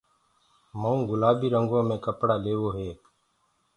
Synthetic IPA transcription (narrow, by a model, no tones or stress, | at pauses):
məũːɡʊlaːbiːɾəŋɡõːmẽːkəpɽaːleːʋoːɦeːk